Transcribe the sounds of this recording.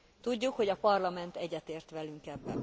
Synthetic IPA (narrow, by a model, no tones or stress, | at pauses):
t̪uɟːukho̞ɟɒpɒrlɒmɛnt̪ɛɟːɛt̪eːrt̪ʋɛlyŋkɛbːɛ̰n